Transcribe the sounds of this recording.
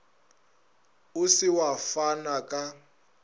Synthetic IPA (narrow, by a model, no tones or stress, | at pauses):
usiwafanakʼa